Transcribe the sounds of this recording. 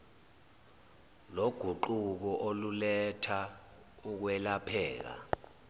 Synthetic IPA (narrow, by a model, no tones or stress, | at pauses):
loɡ̥ʱuǃuk̬ɔʔolulɛtʰa | uk̬wɛlapʰɛːk̬a̰